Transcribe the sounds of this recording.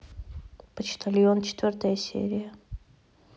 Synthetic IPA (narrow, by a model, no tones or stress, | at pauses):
pət͡ɕt̪ʰalʲiont͡ɕɪ̥t̪vʲort̪əjəsʲḛɾʲɪjə